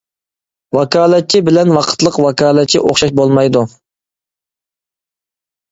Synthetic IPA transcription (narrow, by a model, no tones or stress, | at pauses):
wɑkʰɑːlˠɛt̪̚t͡ʃʰːibɪlɛnwɑqʰə̥t̪lˠəqwɑkʰɑːlˠɛt̪̚t͡ʃʰḭʔo̰χʃɑʃbolˠmɑjd̪u